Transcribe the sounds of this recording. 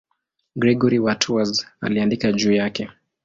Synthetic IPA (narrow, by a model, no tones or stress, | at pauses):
ɡɾɛɡɔɾiwatʰuaza̰liandikaʄuːjakɛ